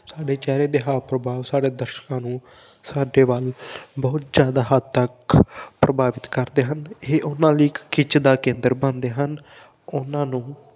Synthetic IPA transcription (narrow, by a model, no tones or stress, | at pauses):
saːɖeːt͡ʃɛːɾeːd̪eːɦaːpɾəbʱaːʋsaːɖeːd̪əɾʃkãːnũː | saːɖeːʋaːlbɔːt̪zjaːd̪aːɦət̪t̪əkpɾʔəbʱaːʋɪt̪kəɾd̪eːɦəneːʔʊnãːliːkːɪt͡ʃʰd̪aːkẽːnd̪əɾbənd̪eːɦən | ʊnãːnũː